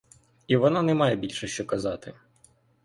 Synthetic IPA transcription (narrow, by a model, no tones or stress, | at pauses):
iʋɔnanɛmɑjɛbʲilʲʃɛʃt͡ʃɔkɐzɑt̪ɪ